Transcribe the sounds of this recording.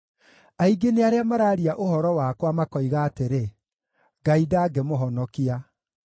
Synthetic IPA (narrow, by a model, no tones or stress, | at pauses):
aiɡeneaɾeamaɾaːɾiaʔohɔɾɔwakwamakɔiɣaːteɾe | ɡaidaːɡɛmoɦɔnɔkia